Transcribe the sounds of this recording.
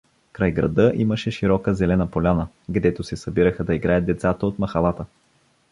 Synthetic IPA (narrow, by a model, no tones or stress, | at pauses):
kɾajɡɾɐ̰d̪ɤʔiməʃɛʃiɾɔkəzɛlɛnəpolʲanə | ɡd̪ɛt̪osɛsɐbiɾəxəd̪ɐiɡɾajət̪̚d̪ɛt̪sat̪əot̪mɐxɐlˠat̪ə